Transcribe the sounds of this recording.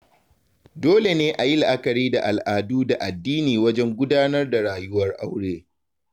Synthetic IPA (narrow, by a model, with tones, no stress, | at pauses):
doː˦le˨neː˦ʔa˨jɪ˦lʔa˦kɐ˨ɽiː˦da˨ʔa˨lʔaː˨duː˦da˨ʔa˨dːiː˦niː˨wɐ˦d͡ʒɛ˦ŋɡʷʊ˦daː˦nɐ˦rda˨ɽaː˨jʊ˦wɐ˦rʔa̰˦wɽeː˦